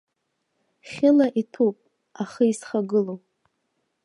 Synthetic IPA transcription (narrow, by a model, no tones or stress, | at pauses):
χʲɪlaʔitʰupʼ | aχəisχaɡɨlo